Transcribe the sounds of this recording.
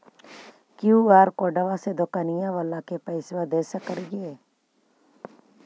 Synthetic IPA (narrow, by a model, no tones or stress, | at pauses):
kɪjuːɡaːɾkoːɖəʋãsed̪okanɪjãʋəlakepɛɪsʋad̪eːsəkəɾɡeː